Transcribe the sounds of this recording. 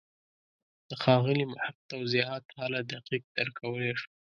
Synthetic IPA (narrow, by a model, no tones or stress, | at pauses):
d̪̥əxɑɣəlimʊhab̚t̪awziɦɑt̪halad̪aqiq̚d̪əɾkʰawəleʂu̥